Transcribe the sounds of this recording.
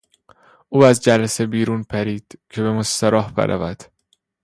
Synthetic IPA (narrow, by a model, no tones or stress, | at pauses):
ʔuːæzd͡ʒælæse̞biːɾuːnpʰæɾiːd̪̥cʰe̞be̞most̪æɾɒːhbḛɾʔæ̰væd̪̥